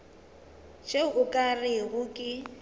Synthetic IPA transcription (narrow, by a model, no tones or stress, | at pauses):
t͡ʃeʊkʼarɪɣʊkʼɪ